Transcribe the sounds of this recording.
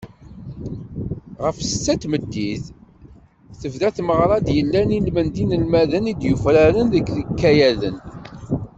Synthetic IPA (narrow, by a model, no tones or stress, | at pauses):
ʁəfsə̥t͡sːæt̪məd̪ːiθ | θəvðæθməʁɾˤɑd̪jəlːænilmənd̪inəlmæðənid̪jufɾaɾənðəkːðəkːæjæðə̰n